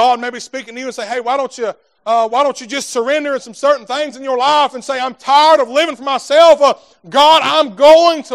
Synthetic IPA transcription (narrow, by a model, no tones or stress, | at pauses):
ɑd̚meɪbispikɪ̃ŋtʰɨjɨɨ̃nseɪɦeɪwaɪɾõʊ̃nt͡ʃɨ | ʌwaɪɾõʊ̃nt͡ʃɨd͡ʒʌstsə˞ɛ̃ndə˞ɨ̃nsʌ̃msɜ˞ʔn̩θɪ̃ŋzɨ̃njə˞laɪfnseɪãɪ̃mtʰaɪə˞ɾʌvlɪvɪ̃ŋfə˞maɪsɛlˠfʌ | ɡɑɾãɪ̃mɡoʊɪ̃ŋtʰə